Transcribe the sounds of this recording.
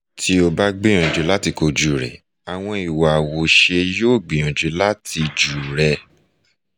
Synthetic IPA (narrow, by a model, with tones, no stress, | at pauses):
tʰi˧˦o˧ba˦ɡ͡bẽ˦ɔ̃˨d͡ʒe˨˦la˦ti˧ko˧d͡ʒu˨ɾɛ̰˨ | a˨w̃ɔ̃˧i˨wa˨wo˨ʃe˧joː˦˨ɡ͡bĩ˨j̃ũ˨d͡ʒe˨˧˦la˦tʰi˧d͡ʒu˨ɾɛ˧